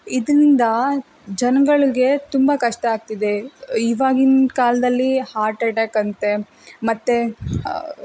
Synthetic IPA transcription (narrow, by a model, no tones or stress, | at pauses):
id̪nind̪ɐ | d͡ʒɐnɐɡɐɭiɡe̞t̪umbɐkɐʂʈɐaːɡ̚t̪id̪e̞iːʋaːɡinkaːlɐd̪ɐlːihaːɾʈɐʈaːkɐnt̪e̞ | mɐt̪ːe